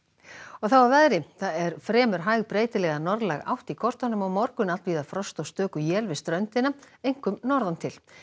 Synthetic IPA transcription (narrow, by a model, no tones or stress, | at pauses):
ɔɣθawawvaðɾɪθaðɛɾ̥fɾɛːmʏɾ̥ɦaːjɣpɾeːjt̪ɪlɛɣanɔɾðlaɣa̰wht̪ikʰɔr̥t̪anːʏmawmɔɾkʏnal̥t̪viːðafɾɔst̪ɔwst̪œːkʏjɛːlvɪst̪ɾœɥnt̪ɪna | ejŋ̥kʏmnɔɾðant̪ʰɪl